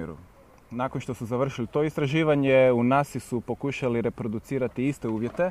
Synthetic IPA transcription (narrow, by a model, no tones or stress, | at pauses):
ɾṵ | nako̞nʃt̪o̞suzaʋr̩ʃilit̪o̞ist̪ɾaʒiːʋaɲe̞unasisupo̞kuʃaliɾe̞pɾo̞d̪ut̪siːɾat̪iist̪e̞uːʋje̞t̪e̞